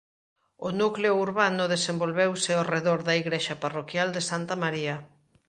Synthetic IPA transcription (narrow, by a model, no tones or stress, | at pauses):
onukleʊuɾβanʊðesembolβewsɪɔreðoɾðɐiɣɾeʃɐparokjald̪esant̪ɐmaɾiɐ